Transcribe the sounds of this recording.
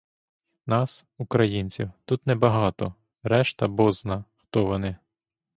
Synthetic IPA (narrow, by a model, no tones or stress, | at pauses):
nɑsukɾɐjinʲt͡sʲiwt̪ut̪nɛbɐɦɑt̪ɔ | ɾɛʃt̪ɐbɔznɐxt̪ɔʋɔnɪ